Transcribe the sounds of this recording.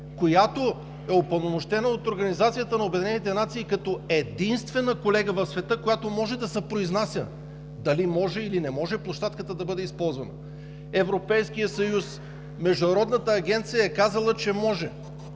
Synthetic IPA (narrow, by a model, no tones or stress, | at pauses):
kojat̪o | ɛopɐnomoʃt̪ɛnəot̪oɾɡɐnizat̪sijət̪ənɐobɛd̪ʲinɛnit̪ɛnat̪siːkɐt̪ɔɛd̪inst̪vɛnəkolɛɡəvɐfsvɛt̪ɤkojat̪omɔʒɛd̪ɐsɛpɾoiznasʲjə̰ | d̪ɐlimɔʒɛilinɛmɔʒɛplˠoʃt̪at̪̚kət̪əd̪ɐbɤd̪ɛispɔlˠzvɐnə̰ | ɛvɾopɛjskijəsɐjus | mɛʒd̪ʊnɐɾɔd̪nət̪əːɡʲɛnt̪sijəɛkazɐlˠət͡ʃɛmɔʒɛ